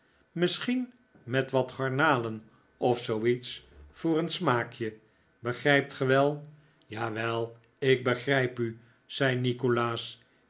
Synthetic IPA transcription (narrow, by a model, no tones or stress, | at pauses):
mɪsχin | mɛtʋɑtχɑɹnaːlən | ɔfsowitsfʊːrənsmaːkjə | bəχrɛjp̚tχəʋɛlˠ | jaːʋɛlˠ | ɪk̚bəχrɛjpy | z̥ɛjnikolaːs